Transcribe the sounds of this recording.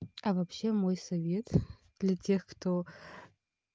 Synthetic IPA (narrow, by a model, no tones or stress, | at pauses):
ɐvɐpɕːe̞mojsɐvʲet̪ʰ | d̪̥lʲɐtʰʲe̞xkt̪ʰo